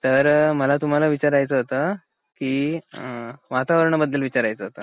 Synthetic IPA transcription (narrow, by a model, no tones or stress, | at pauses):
t̪əɾməlat̪um̤alaʋit͡ɕaɾajt͡səɦot̪əː | kiː | ʋat̪aʋəɾɳəbəd̪ːəlʋit͡ɕaɾajt͡səɦot̪ə